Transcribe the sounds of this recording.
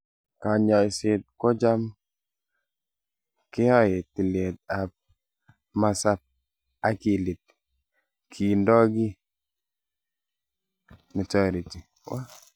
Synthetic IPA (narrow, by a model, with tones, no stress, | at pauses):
ka˨ɲa˨sɪ˨t̚kɔ˦d͡ʒa˦m | kɪ˦ɔ˦jɪ˨tːi˨lje˨t̚a˨p̚ | ma˨sa˦p̚ | a˦ki˨li˨t̚ | kʰi˨ndɔ˦ɡi˦ | nɔ˨tɔ˨ɾi˨ti˨ | wa˦